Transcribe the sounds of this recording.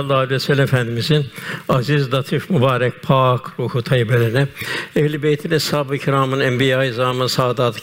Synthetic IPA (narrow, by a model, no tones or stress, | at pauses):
lˠːaːalʲiɛsɛlʲːimɛfænd̪imizinɑzizd̪ɑt̪ʰifmubaːɾɛk̚pʰaːkʰɾuːhut̪ʰɑjibelɛɾinɛɛhlibejt̪ʰinɛshaːbicʰiɾaːmɯnɛmbijaːjizaːmɯnsaːd̪aːt̪ʰ